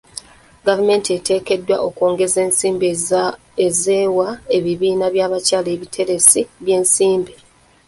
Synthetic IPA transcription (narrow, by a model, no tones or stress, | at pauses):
ɡavume̞ːntie̞te̞ːke̞dːwa̰ʔokoːŋɡe̞zeːnsiːmb | ezeːwae̞βiβiːnaβjaːβacaːleβitʰe̞ɾe̞siβje̞ːnsiːmbi